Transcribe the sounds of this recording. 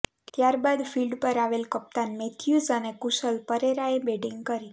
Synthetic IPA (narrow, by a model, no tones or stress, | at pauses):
t̪jaɾbad̪filɖpəɾaʋelkəp̚t̪anmet̪ʰjuzənekuʃəlpəɾeɾaebeɖiŋɡkəɾi